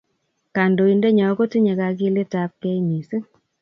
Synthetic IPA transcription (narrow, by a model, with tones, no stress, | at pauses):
ka˨ndo˨i˨nde˦ɲɔ˨˦ko˦ti˦ɲe˨ka˨ki˦le˦ta˦p̚kɛ˦i˦ni˨se˦